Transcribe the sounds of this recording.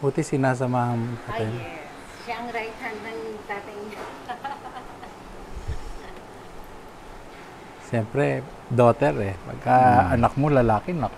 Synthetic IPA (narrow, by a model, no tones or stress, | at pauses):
huːt̪ɪsɪnaːs̬ɐmaːhɐnmont̪aɐjɲo | ʃaʔɐŋɾajt̪hɐnːɐŋt̪aːt̪ɐjɲo | ʃɛmpɾɛ | d̪oːt̪ɛɾɛpɐ̰ɡ̚kɐɐnɐk̚molɐlaːkɪnɐk